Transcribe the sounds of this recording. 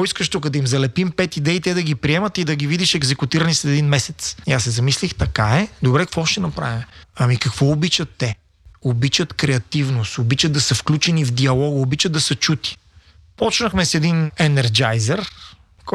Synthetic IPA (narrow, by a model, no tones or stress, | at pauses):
ɔiskəʃt̪ukəd̪ɐimzɐlɛpimpɛt̪id̪ɛit̪ɛd̪ɐɡipɾiɛmɐt̪id̪ɐɡivid̪iʃɛɡzɛkut̪iɾənislɛd̪ɛd̪inmɛsɛt̪siasːɛzɐmislixt̪ɐkaɛd̪obɾɛkɐ̥kvɔʃt̪ɛnɐpɾa̰vimɛɐmikɐkvɔobit͡ʃət̪ːɛ | obit͡ʃət̪kɾɛɐt̪ivnost̪obit͡ʃəd̪d̪ɐsɐfklʲut͡ʃɛnivd̪iɐlˠɔɡobit͡ʃəd̪̚d̪ɐsət͡ʃut̪i̥ | pɔt͡ʃnɐxmɛsɛd̪inɛnɛɾd͡ʒajzɛɾ | k